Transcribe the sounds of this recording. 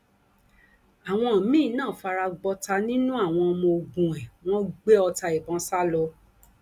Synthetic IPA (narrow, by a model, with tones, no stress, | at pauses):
a˨w̃ɔ̃˧a˨mĩː˦˨˦nãː˦˨fa˧ɾa˧ɡ͡bɔ˧ta˧nĩ˦nũ˦a˦˨w̃ɔ̃˧ɔ˧mɔ̃˧o˧ɡ͡bũ˨ɛ̃˨w̃ɔ̃˦ɡ͡be˦ɔ˧ta˧e˨bɔ̃˨˦sa˦lɔ˧